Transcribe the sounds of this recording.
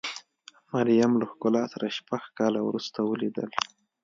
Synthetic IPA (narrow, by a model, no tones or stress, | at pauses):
maɾjamlaxkʊlɑsaɾaʃpaxkɑlawɾust̪awəlid̪ə̰l